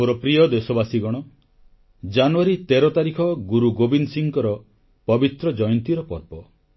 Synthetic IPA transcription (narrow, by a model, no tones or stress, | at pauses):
oɾɔpɾijɔd̪esɔbasiɡɔɽ̃ɔ | d͡ʒanuaɾit̪eɾɔt̪aɾikʰɔɡuɾuɡobinsiŋkɔɾɔ | pɔbit̪ɾɔd͡ʒɔjɔnt̪iɾɔpɔ̰ɾpɔ